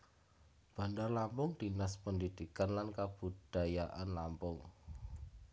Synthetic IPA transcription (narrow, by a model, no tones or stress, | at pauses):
b̥a̤ndarlampʊŋd̪̥inaspəndid̪̥ikanlankab̥ṳd̥a̤jaʔanlampʊŋ